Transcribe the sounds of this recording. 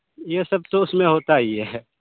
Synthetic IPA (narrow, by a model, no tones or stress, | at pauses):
jesɐb̚t̪oʊsmẽɦoːt̪aiɦɛ